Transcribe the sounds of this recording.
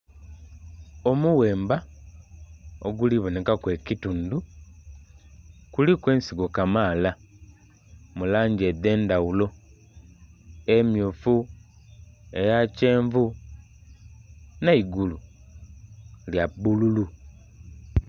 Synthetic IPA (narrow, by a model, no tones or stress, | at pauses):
o̞muwe̞ːmba | oɡuliβo̞ne̞kakwe̞cituːndu | kulikwe̞ːnsiɡo̞kamaːla | mulaːɲɟede̞ːndawulo̞ | emjufu | e̞jace̞ːɱvu | naiɡulu | ljabːululu